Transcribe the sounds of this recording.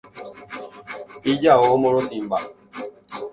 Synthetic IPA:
id͡ʒaomoɾotim̩ba

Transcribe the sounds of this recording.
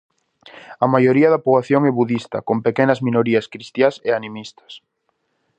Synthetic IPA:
ɐmajoɾiɐðɐpoβlaθjoŋɛβuðist̪ɐ̰kompekɛnɐzminoɾiɐskɾist̪jaseanĩmist̪ɐ̥s

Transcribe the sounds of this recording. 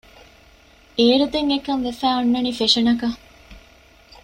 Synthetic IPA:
eːɾud̪eŋekɐnʋefæːunːɐnifeʂɐnɐkɐ

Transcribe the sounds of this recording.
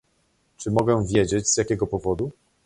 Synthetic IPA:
t͡ʂɘmɔɡɛvʲjed͡ʑed͡ʑz̥ʲjakʲɛɡɔpɔvɔd̪u

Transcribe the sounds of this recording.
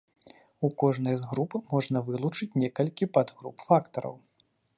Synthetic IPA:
ukɔʐnɐjzɣɾupmɔʐnɐvɨlˠut͡ʂɨt͡sʲnʲɛkɐlʲkʲipɐd̪ɣɾṵpfakt̪ɐɾɐ̰w

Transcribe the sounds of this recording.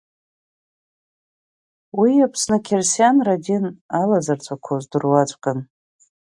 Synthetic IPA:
wiapʰsnɨkʲʰersjanradʲinalazart͡sʷʰʼakʷʰozdɨrwat͡ʃʷʼkʼɨn

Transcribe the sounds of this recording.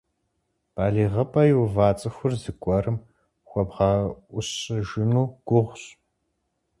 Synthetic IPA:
b̥aːɮiːʁɐpʼɐjuwvaːt͡sʼɨxʷʊrzɨkʷʼɔrɨm | xʷɔbʁɑʊɕɨʒɪnuːɡ̥ʷʊʁʷɕ

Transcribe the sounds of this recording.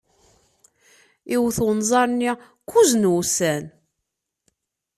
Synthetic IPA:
iwθwnzˤɑɾˤnːi | kːuznwusæn

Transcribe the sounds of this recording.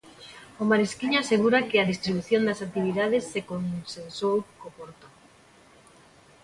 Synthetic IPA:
omaɾeskiɲoaseɣ̞uɾakeaðist̪ɾiβuθjond̪asakt̪iβ̞iðað̞esːekonsensowkopoɾt̪o̥

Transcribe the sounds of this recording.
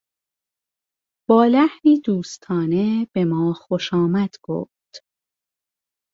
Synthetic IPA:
b̥ɒːlæhniːd̪uːst̪ʰɒːneb̥emɒːxoʃɒːmæd̪̥ɡ̥o̰ːft̪

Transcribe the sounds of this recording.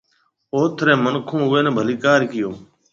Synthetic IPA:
oːt̪ʰɾẽːmənkʰõːʊʋeːnẽːbʱəliːkaːɾkɪjoː

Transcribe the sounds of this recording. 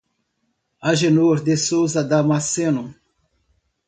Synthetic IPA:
aʒenoɾd̪esowzɐd̪amasenu

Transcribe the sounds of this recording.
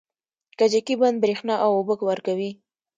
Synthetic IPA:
kad͡ʒakiband̪̚bɾexnɑʔawobəkwaɾkawi

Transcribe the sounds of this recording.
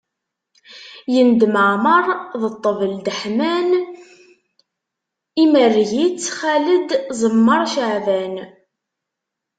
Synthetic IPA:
jənd̪məʕməɾˤðət̪ˤːəvəld̪əħmæn | imərːʝit͡sːχæləd̪zˤəmːəɾˤʃəʕvæn

